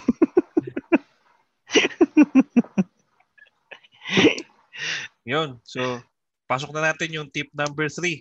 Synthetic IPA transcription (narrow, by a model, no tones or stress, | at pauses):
jonso | paːs̬ok̚nɐnaːt̪ɪnjʊŋt̪ip̚nambɛɾθɾi